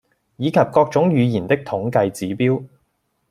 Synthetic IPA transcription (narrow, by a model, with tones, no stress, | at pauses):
jiː˨˧kʰɐ˨p̚kɔː˧k̚t͡ʃʊ˨˥ŋjyː˨˧jiː˨˩nt̪ɪ˥k̚t̪ʰʊ˨˥ŋkɐ˧jt͡siː˨˥piː˥w